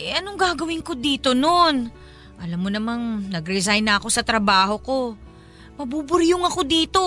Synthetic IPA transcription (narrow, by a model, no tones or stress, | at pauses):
ʔɐnoŋɡaːɡɐwɪŋko̞d̪iːt̪o̞no̞n | ʔɐlamːonɐmannɐɡɾɛzajnːɐɐko̞sɐt̪ɾɐbaːho̞ko̞ | mɐbuːbʊɾjʊŋɐko̞d̪iːt̪o̞